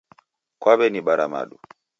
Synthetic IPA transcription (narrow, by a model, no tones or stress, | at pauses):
kwaβɛniɓaɾama̰ɗu